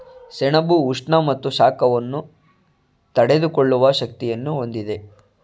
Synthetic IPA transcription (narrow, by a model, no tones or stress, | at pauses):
sɛɳɐbuːʂɳɐmɐt̪ːuʃaːkɐʋɐnːu | t̪ɐɽe̞d̪ukoɭːuʋɐʃɐk̚t̪ijɐnːuɦo̞nd̪id̪e̞